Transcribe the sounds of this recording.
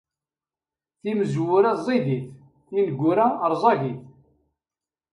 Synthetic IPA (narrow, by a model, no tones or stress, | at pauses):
θiməzwʊɾæzˤiðiθ | inɡʷːʊɾaɾˤzˤɑʝiθ